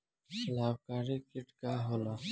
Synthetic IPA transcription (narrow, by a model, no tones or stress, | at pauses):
sɐlaːwkaːɾikɪʈkaɦoːlaː